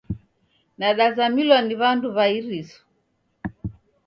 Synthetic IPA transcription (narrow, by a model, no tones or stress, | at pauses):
naɗazamilwaniβanduβaiɾisɔ̥